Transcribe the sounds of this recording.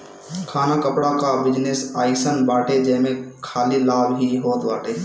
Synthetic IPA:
kʰaːnakəpɽakabɪd͡ʒnesaːɪsənbaːʈed͡ʒəɪmekʰaːlilaːbɦiɦoːt̪baːʈe

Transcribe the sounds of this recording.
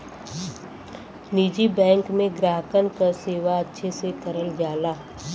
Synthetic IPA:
nid͡ʒibɛ̃ːŋkmẽɡɾaːɦkənkaseːʋaətːʃʰesekəɾəld͡ʒaːlaː

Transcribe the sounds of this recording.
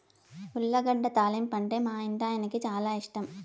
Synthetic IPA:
uɭːɐɡɐɖːɐt̪aːlimpɐɳɖeːmaːiɳɖ̪aːjɐnɐkːit͡ʃaːlaːiʂʈɐm

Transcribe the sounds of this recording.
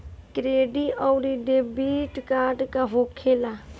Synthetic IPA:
kɾeːɖiʔɔwɾiɖebiʈkaːʈkaɦokʰːeːla

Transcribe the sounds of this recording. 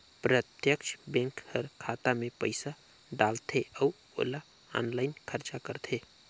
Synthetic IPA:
pɾət̪jəkʃʰbɛ̃ŋkhəɾkʰat̪amẽpəɪsa | ɖalt̪ʰeəu | o̰la | a̰ːnlaɪnkʰəɾt͡ʃakəɾt̪ʰe

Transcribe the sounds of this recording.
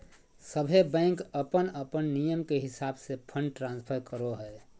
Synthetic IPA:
səbʱebɛ̃ɪŋkəpənəpənːijəmkeɦɪsaːbsepʰəɳɖʈɾãnspʰəɾkəɾoɦɛ

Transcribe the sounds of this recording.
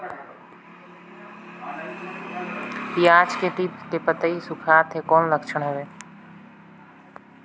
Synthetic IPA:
pijaːt͡ʃket̪ipkepət̪əisʊkʰaːt̪ʰɦekɔːnləkʃəɳɦɛʋeː

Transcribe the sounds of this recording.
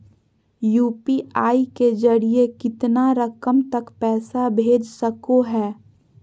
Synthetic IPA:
juːpiaːiked͡ʒəɽiekɪt̪naɾəkəmt̪ɐkpɛːsabʱeːd͡ʒsəkoɦɛː

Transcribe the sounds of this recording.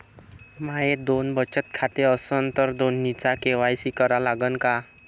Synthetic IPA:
maɦed̪onbət͡ɕət̪̚kʰat̪eəsənt̪əɾd̪onːit͡sakeʋajsikəɾalaɡənka

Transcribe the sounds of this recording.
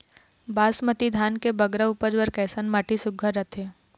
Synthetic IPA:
baːsmət̪id̪ʱaːnkebɐɡɾəʊpəd͡ʒwəɾkɛːsənmaːʈʰisʊɡʱəɾɐt̪ʰeː

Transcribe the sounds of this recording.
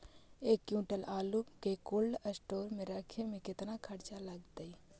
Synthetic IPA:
eːkjũʈəlaːlupkekoːlɖəsʈoːɾmẽɾəkʰemẽkɪt̪nakʰəɾt͡ʃaləɡ̚t̪əi

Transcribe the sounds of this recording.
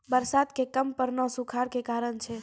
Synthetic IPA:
bəɾsad̪kekəmpəɾnɔsukʰaɾkekaɾənt͡ʃʰɛ

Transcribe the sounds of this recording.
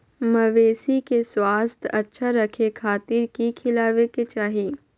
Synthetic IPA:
mɐʋeːsikeswaːst̪ʰɐtːʃʰaɾɐkʰekʰaːt̪iɾkikʰɪlaːʋeket͡ʃaːɦiː

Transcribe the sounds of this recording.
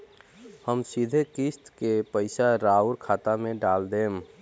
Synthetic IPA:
həmsid̪ʱekist̪kepəɪsaɾauɾkʰaːt̪amẽɖaːld̪eːm

